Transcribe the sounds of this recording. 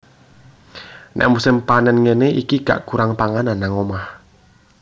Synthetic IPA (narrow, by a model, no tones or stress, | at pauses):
nʔɛ̰ʔmusɪmpanɛnŋeneikika̰ʔkuɾaŋpaŋananːaŋomah